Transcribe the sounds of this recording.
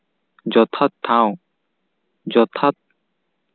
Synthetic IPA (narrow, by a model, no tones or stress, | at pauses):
d͡ʒɔt̪ʰat̪ʰːãw | d͡ʒɔt̪ʰat̪̚